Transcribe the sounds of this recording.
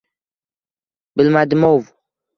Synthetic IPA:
bɪlmad̪mowv

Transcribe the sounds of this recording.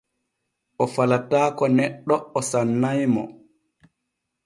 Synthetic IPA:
ʔɔfalataːkɔnɛɗːɔːsanːajmɔ̰

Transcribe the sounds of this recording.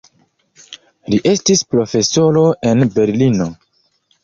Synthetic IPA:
liʔe̞stispɾo̞fe̞so̞ɾo̞e̞nbe̞ɾlino̞

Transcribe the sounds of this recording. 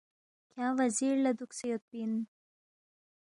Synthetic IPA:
kʰjãwaziɾlad̪uksejot̪̚bin

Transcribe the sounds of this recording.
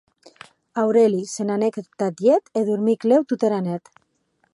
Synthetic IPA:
awɾelisenanekt̪ad̪jet̪eðuɾmiklewt̪ut̪eɾanet̪

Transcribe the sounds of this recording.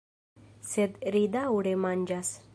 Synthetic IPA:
sed̪ɾid̪auɽemaɲd͡ʑas

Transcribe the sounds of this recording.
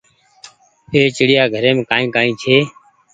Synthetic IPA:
pʰeːt͡ʃəɽɪjaːɡʱəɾeːmẽːkaːĩːkaːĩːt͡ʃʰeː

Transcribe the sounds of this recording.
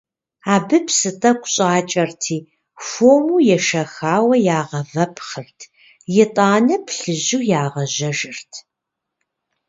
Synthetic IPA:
aːbɨpsɨtʼɐkʷʊɕʼaːt͡ʃʼɐrtʰiː | fomuːjɛʃɐxaːwɐjaːʁɐvɐpʰχɨrtʰ | jɛtʼaːnɐpʰɬɨʑuːjaːʁɐʑɐʒɪrtʰ

